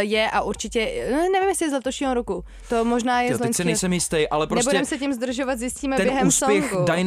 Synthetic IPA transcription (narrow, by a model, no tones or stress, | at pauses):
jɛʔaʔuɾt͡ʃɪcɛnɛvimjɛslɪzlɛt̪oʃɲiːɦoɾoku | t̪omoʒnaːjɛzloɛɲsɪnɛsɛmjɪst̪ɛjʔalɛpnɾonɛsbudɛmsɛcɪmzd̪r̩ʒovat̪zjɪsciːmɛb̪ɛjjɛɦɛumːssopjɛxkuajn